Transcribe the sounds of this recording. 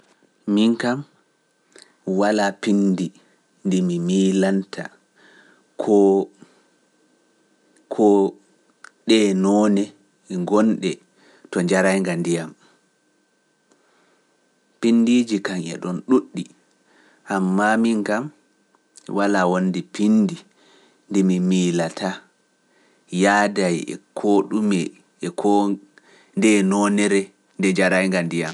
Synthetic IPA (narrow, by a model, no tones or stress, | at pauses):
miŋkam | walapindi | ndimimiːlantʰa̰ | kʰɔ | kʰɔ | ɗɛnɔːnɛ | ɛŋɡɔnɗɛ | tɔɲd͡ʒaɾajŋɡandijam | pindid͡ʒikaŋɛ̰ɗɔnɗuɗːi | ʔamːamiŋkam | walawondipindi | ndɛmimilatʰa | jaːdajɛ̰kʰoɗumɛ | ɛkʰɔ | ndɛnɔnɛɾɛ | ndɛɲd͡ʒaɾajŋɡandijam